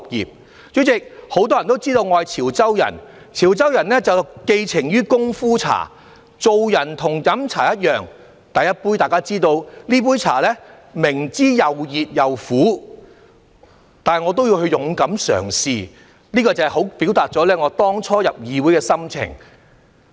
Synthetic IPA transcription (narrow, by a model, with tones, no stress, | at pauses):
p̚jḭː˨˩p̚ | t͡ʃy˨˥t͡sɪ˨k̚ho˨˥wt̪ɔː˥jɐ˨˩nt̪o˥wt͡siː˥t̪o˧wŋɔː˧jt͡sʰiː˨˩wt͡sɐ˥wjɐ̰˨˩n | t͡sʰiː˨˩wt͡sɐ˥wjɐ˨˩nlɛː˥t͡sɐ˨wke˧jt͡sʰɪ˨˩ŋjyː˥kʊ˥ŋfuː˥t͡sʰa̰ː˨˩ | t͡so˨˧wjɐ˨˩nt̪ʰʊ˨˩ŋjɐ˨˥mt͡sʰa̰ː˨˩jɐ˥t̚jœː˨ŋ | t̪ɐ˨jɐ˥t̚puː˥jt̪aː˨jkaː˥t͡siː˥t̪o˧wliː˥p̬uː˥jt͡sʰa̰ː˨˩lɛː˥ | mɪ˨˩ŋt͡siː˥jɐ˨wjiː˨t̚jɐ˨wfuː˨˥ | t̪aː˨ɐ˨˩ŋɔː˨˧t̪o˥wji˧whɵ˧ɥjʊ˨˥ŋkɐ˨˥msœ̰ː˨˩ŋsiː˧ | liː˥kɔː˧t͡sɐ˨hɛ˨jɦo˨˥wpi˨˥wt̪aː˨˩t̚t͡sɔː˨˥lɛː˥ŋɔː˨˧t̪ɔː˥ŋt͡ʃʰɔː˥jɐ˨p̚jiː˨˧wu˨˥jkɛː˧sɐ˥mt͡sʰɪ̰˨˩ŋ